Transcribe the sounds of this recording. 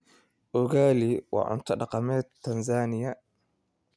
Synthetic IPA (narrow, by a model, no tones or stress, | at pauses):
ʔʊɣaːliwɑ̰ːʔʊ̰nt̪ʰɐɗɑqɑmɛːt̪ːɐnzaːnɪjɐ